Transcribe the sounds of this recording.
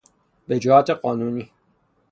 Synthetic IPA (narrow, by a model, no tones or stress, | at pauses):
bed͡ʒehaːt̪eqɔːnuːni